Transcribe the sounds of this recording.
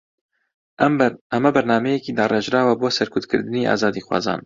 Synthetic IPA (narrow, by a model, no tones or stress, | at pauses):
ɛmɛbɛɾnɑːmɛjɛkiːd̪ɑːreʒɾɑːwɐboːsɛɾkʰʊtd̪̚kʰɨ̰ɾd̪ɨniːʔɑ̰ːzɑːd̪iːxwɑ̰ːzɑ̰ːn